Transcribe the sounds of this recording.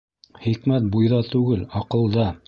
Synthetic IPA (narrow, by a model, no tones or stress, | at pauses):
χikmæt̪̚bujðɑt̪ʉɡɘlɑqɤ̆lˠd̪ɑ